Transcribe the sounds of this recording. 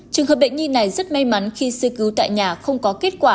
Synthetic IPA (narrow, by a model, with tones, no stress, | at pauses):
t͡ɕɨ˨˩əŋɦə˨˩p̚ɓə̰˧˨jŋ̟ɲi˧nːa˨˩jzə˦˥t̚ma˧jma˨˦nxi˧sɨ˧kɨ˨˦wt̪a̰ː˧˨jɲaː˨˩xə˧wŋ͡mkɔ˨˦ke˦˥t̚kwaː˧˩